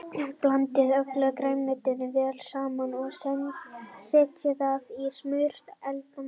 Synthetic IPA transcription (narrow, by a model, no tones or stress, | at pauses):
plant̪ɪðœklœkɾeːjnmɪt̪ɪðɪvɛːlsaːmanɔɣsɛnsɛːcɪðavismʏjɾ̥t̪ɛlk̪a